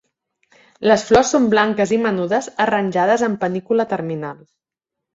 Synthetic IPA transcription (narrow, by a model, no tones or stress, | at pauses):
ləsflɔsːomblaŋkəzimənuðəzərənʲʒað̞əzəmpənikulət̪əɾminalˠ